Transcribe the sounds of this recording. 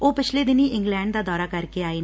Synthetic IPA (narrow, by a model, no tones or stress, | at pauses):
oːpɪt͡ʃʰleːd̪ɪniːʔɪŋɡlɛ̃ːɳɖd̪aːd̪ɔːɾaːkəɾkeːaːeː